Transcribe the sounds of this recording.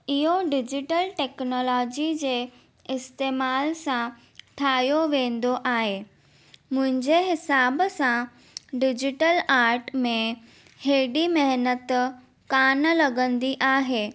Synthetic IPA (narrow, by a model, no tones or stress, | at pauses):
ɪɦoɖɪd͡ʑɪʈəlʈɛːknɔːlɔːd͡ʑid͡ʑeː | ɪst̪eːmaːlsã | ʈʰaːjoʋẽːn̆d̪oʔaːɦeː | mʊ̃ɦɪ̃ɲd͡ʑeɦɪsaːbsã | ɖɪd͡ʑɪʈəlaːɾʈmẽ | heːɖimɐɦnət̪ | kaːnlɐɡə̃nd̪iʔaːɦeː